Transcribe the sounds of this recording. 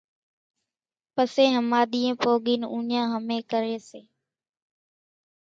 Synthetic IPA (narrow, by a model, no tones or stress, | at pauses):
pəseːɦəmaːɗ̪iːẽːpoːɠiːnũːɲãːɦəmeːkəɾeːseː